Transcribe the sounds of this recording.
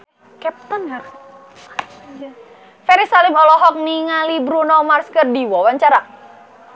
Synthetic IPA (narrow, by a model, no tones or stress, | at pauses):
kɛp̚t̪ɔnhar | fɛɾisalɪmɔlɔɦɔk̚niŋalibɾunɔmarskərdiwɔwaɲt͡ʃaɾa